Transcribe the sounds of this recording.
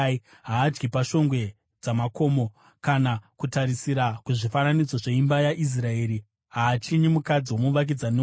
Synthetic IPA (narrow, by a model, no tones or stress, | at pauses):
ɦaːd͡ʒɡipaʃo̞ŋɡwe̞ | d͡zamako̞mo̞ | kanakutaɾisiɾakuʐifananid͡zoʐe̞imbajaʔis̬rae̞ːɾi | ɦaːt͡ʃiɲimukad͡ziwo̞muʋak̬id͡zane